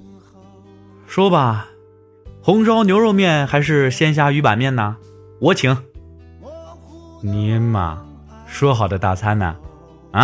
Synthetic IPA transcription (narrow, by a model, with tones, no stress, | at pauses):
ʂwɔ˥bɐ˨ | xʊ˧˥ŋʂɑ˥ʊnjo˧˥ʊɻo˥˧ʊmjɛ˥˩nxa˧˥ɪʂ̬ɻ̩˥˩ɕjɛ˥nɕ̬ja˥˩y˧˥pa̰˨˩nmjɛ˥˩nna˩ | wɔ˧˥t͡ɕʰi˧˥˦ŋ | ni˧˥nmɐ̰˩ | ʂwɔ˥xɑ˨˩ʊd̪ə˦t̪a˥˩t͡sʰa˥nɐ̰˨˩˧